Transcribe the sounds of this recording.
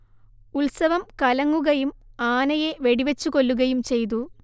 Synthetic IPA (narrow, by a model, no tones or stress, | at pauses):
ulsɐʋɐmkɐlɐŋːuɣɐjumaːnɐjeʋe̞ɽiʋet͡ɕːuko̞lːuɣɐjumt͡ɕe̞jt̪̬u